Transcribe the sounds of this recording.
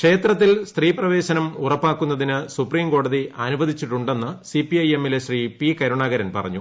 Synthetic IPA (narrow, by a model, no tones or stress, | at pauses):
kʂe̞ːt̪rɐt̪ːilst̪riːprɐʋe̞ːɕɐnɐmurɐpːaːkːunːɐðinɨsupriːmko̞ːɽɐðiɐnubɐd̪ʱit͡ɕːiʈːuɳɖe̞nːɨsipiɐjemeleɕriːpikɐɾuɳaːɡɐɾɐnpɐ̰rɐ̰ɲːu